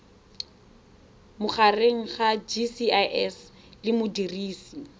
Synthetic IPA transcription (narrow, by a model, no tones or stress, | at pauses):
mʊχareŋ̩χad͡ʒisiaʔɛs | lɪmʊdiriːsi